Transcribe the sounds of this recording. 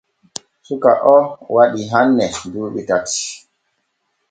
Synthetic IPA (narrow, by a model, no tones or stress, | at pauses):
suka̰ʔɔwaɗiɦanːɛnduːɓitati̥